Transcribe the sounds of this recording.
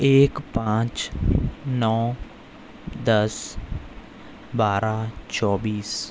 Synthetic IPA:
eːkpãːt͡ʃ | nɔː | d̪əs | baːɾat͡ʃɔːbiːs

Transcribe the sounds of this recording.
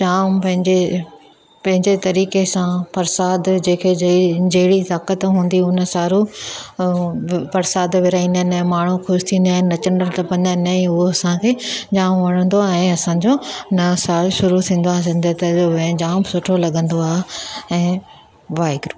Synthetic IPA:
d͡ʑaːmpɐ̃ɦɪ̃ɲd͡ʑe | pɐ̃ɦɪ̃ɲd͡ʑet̪ɐɾiːkesãfɐɾsaːd̪d͡ʑẽːkʰed͡ʑɐɦɪɽit̪aːkət̪ɦũːn̆d̪iʊnə̆saːɾu | fɐɾsaːd̪ʋɪɾaːĩːnd̪ənɛ̃ːmaːɳ̤uxʊʃt̪ʰĩːnd̪aːnnɐt͡ɕəɳɖəɾt̪ɐpɐ̃nd̪ənɐĩʊɦoɐsãkʰeːd͡ʑaːmʋɐɽ̃ə̃nd̪oɛ̃ːɐsãd͡ʑoːnɐsaːɾʃʊɾut̪ʰĩːn̆d̪oaːɦezɪ̃nd̪ʱət̪ɐoẽd͡ʑaːmsʊʈʰolɐɠə̃nd̪oaːɦeɛ̃ː | ʋaːɪɡɾuː

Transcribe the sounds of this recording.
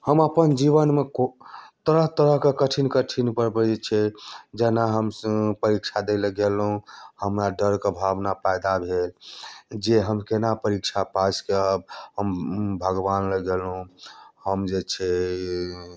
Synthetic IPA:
həməpənd͡ʒiβənmekot̪əɾəɦt̪əɾəɦkekəʈʰinkəʈʰinpəɾbəd͡ʒet͡ʃʰɛd͡ʒɛnaɦəmpəɾikt͡ʃʰad̪eləɡelɦũhəmɾaɖəɾkebʱabnapajd̪abʱeld͡ʒeɦəmkenapəɾikt͡ʃʰapaskeəb̚ɦəmbʱəɡʋanləɡelɦũhəmd͡ʒet͡ʃʰɛ

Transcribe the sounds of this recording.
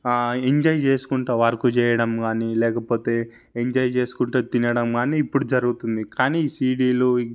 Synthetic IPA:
eɲd͡ʒɐjt͡ʃe̞ːsu̥kuɳʈoːʋɐɾkut͡ʃɛːjɐɽɐmɡaːniːlɛːkɐpo̞ːt̪e̞ː | eɲd͡ʒɐjt͡ʃe̞ːsu̥kuɳʈuːt̪inɐɽɐmɡaːniːpːuɽud͡ʒɐɾuɡut̪und̪ikaːniːisiːɖiːlo

